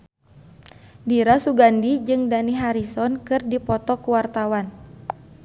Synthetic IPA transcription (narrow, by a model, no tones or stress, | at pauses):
diɾasuɡandid͡ʒɨŋdaniɦaɾisɔnkɨrdipɔt̪ɔkuwart̪awan